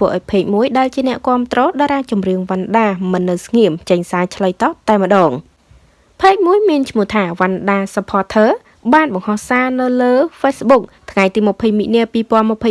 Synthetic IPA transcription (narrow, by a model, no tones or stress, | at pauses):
t̪ʰʋəːʔa̰ɔjpʰeːk̚muəjɗaɛlt͡ɕiənɛ̆əʔkŏəmt̪rɔːɗaːɾaːt͡ɕumrɨəŋʋanɗaːmɨnːɨwsŋiəmt͡ɕəɲsaːjt͡ɕʰləjt̪ɑːp̚t̪aɛmə̆ɗɑːŋ | pʰeːk̚muəjmiənt͡ɕʰmŭəht̪ʰaːʋanɗaːsapʰɑːt̪ʰəː | ɓaːnɓɑŋhɑhsaːnɨwləːfeːsɓuk̚t̪ʰŋajt̪iːməpʰəjmiʔniəpiːpŏənməpʰəj